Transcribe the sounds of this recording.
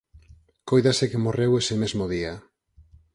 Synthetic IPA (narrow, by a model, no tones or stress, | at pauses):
kojðasekemorewesemezmoðia